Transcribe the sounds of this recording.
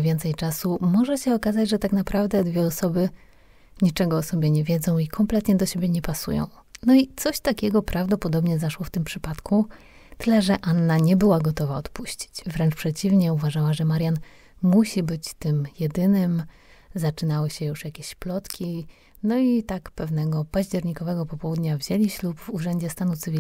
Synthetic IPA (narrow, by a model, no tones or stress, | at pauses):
vʲjɛnt̪sɛjt͡ʂasumɔʐɛɕɛɔkazad͡ʑʐɛt̪aknapɾavd̪ɛd̪vʲjɛɔsɔbɘ | ɲit͡ʂɛɡɔːsɔbʲjɛɲɛvʲjɛd̪zɔ̃w̃ikʰɔmplɛt̪ɲɛd̪ɔɕebʲjɛɲɛpasṵjɔ̰̃w̃nɔit̪sɔɕt̪akʲɛɡɔpɾʔavd̪ɔpɔd̪ɔbɲɛzaʂwɔft̪ɘmpʂɘpat̪kʰu | t̪ɘlɛʐɛʔanːaɲɛbɘwaɡɔt̪ɔvaɔt̪puɕt͡ɕi̥t͡ɕvɾɛnt͡ʂpʂɛt͡ɕivɲɛuvaʐawaʐɛmaɾjan | muɕibɘt͡ɕt̪ɘmjɛd̪ɘnɘm | zat͡ʂɘnawɘɕɛjuʂjakʲeɕplɔt̪kʲi | nɔit̪akpɛvnɛɡɔpaʑd͡ʑɛɾɲikɔvɛɡɔpɔpɔwud̪ɲavʑɛlʲiɕlubvuʐɛɲd͡ʑɛst̪anut̪sɨvʲi